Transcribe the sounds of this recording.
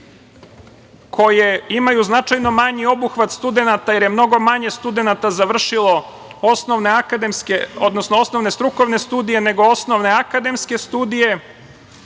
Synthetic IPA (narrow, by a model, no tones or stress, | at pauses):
kʰo̞jeimajuznat͡ʂajno̞maɲio̞buxʋat̪st̪ud̪e̞nat̪aje̞ɾje̞mno̞ɡo̞maɲe̞st̪ud̪e̞nat̪azaʋr̩ʃilo | osnoʋneakad̪emskeod̪nosnoo̞sno̞ʋnest̪ɾuko̞ʋne̞st̪uːd̪ije̞ne̞ɡo̞osno̞ʋne̞akad̪e̞mske̞st̪uːd̪ije̞